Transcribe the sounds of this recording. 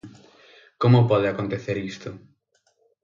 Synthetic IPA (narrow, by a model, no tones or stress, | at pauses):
komʊpɔðɪakont̪eθeɾist̪ʊ